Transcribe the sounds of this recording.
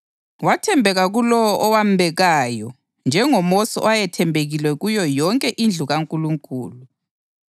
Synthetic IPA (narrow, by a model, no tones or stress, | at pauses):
watʰɛmbʱɛɣaɣulɔwɔʔɔwam̩bʱɛɣaːjɔ | nd͡ʒʱɛŋɔmosɔɔwajɛtʰɛmbʱeɣilwɛɣujɔjɔŋkʼɛʔind͡ɮʱuɣaŋkʼuluŋkʼuːlu